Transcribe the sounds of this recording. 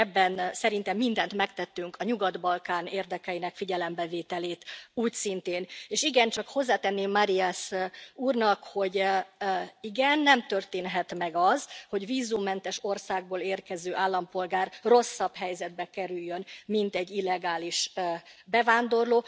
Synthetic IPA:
ɛbːɛnsɛɾint̪ɛmːind̪ɛnt̪mɛkt̪ɛt̪ːyŋkɒɲuɡɒd̪bɒlkaːneːrd̪ɛkɛinɛkfiɟɛlɛmbɛveːt̪ɛleːt̪uːcsint̪eːneːʃiɡɛnt͡ʃɒkho̞zːaːt̪ɛnːeːmːaɾiasuːrnɒkho̞ɟ | iɡɛnːɛmt̪ø̞rt̪eːnɦɛt̪mɛɡɒzho̞ɟviːzumːɛnt̪ɛʃo̞rsaːɡ̚boːleːrkɛzøːʔaːlːɒmpo̞lɡaːrro̞sːɒbɦɛjzɛd̪̚bɛkɛɾyjːønmint̪ɛɟːilːɛɡaːliʃbɛvaːnd̪o̞rloː

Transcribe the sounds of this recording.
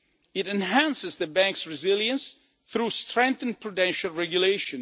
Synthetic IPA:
ɪɾɛ̃nɦæ̃nsɪzðəbæ̃ŋksɹɪzɪljə̃ns | θɾustɹɛ̃ŋk̚θə̃n̚pɹɔdɛ̃nʃalˠɹɛɡjuleʃɔ̃n

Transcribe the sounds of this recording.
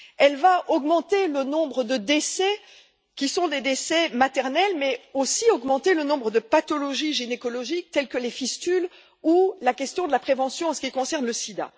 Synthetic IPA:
ɛlvaʔɔɡmɑ̃t̪elənɔ̃bʁəd̪əd̪esɛ | kʲisɔ̃d̪ed̪esɛmat̪ɛʁnɛlmɛosiɔɡmɑ̃t̪elənɔ̃bʁəd̪əpat̪ɔlɔʒiʒinekɔlɔʒik̚t̪ɛlkəlefist̪yl | ulakʲɛst̪jɔ̃d̪əlapχevɑ̃sjɔ̃ɑ̃sə̥kʲikɔ̃sɛʁnləsid̪a̰

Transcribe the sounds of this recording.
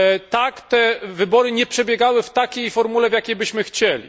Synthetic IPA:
t̪akt̪ɛvɘbɔɾɘɲɛpʂɛbʲjɛɡawɘft̪akʲejfɔɾmulɛvjakʲejbɘɕmɘxt͡ɕɛlʲḭ

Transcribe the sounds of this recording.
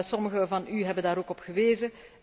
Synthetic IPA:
sɔməɣəvɑnyɦɛbəndaːɾoːkɔpɣəʋeːzə

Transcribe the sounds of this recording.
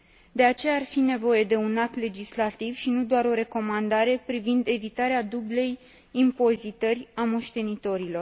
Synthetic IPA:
d̪e̞at͡ʃe̞jaːrfine̞vo̞je̞d̪e̞unak̚t̪le̞d͡ʒislat̪ivʃinud̪oaɾo̞ɾe̞ko̞mand̪aɾe̞pɾivind̪e̞vit̪aɾead̪uble̞j | impo̞zit̪ərʲamoʃt̪e̞nit̪o̞ɾilo̞r

